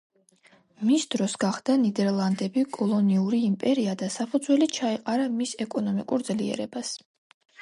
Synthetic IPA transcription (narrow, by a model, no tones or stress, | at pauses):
misd̪ɾɔsɡaχd̪̥anid̪ɛɾlˠand̪ɛbikʼɔlˠɔniuɾiːmpʼɛɾiad̪asapʰud̪zwɛlit͡ʃʰaiqʼaɾamisɛkʼɔnɔmikʼuɾd̪zliɛ̰ɾɛbas